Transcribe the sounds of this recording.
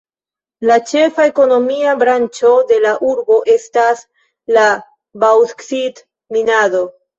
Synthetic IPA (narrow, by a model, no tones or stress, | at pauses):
lat͡ʃe̞fae̞ko̞no̞miabɾant͡ʃo̞de̞laʔuɾbo̞ʔe̞stas | la | bawtksit | minado̞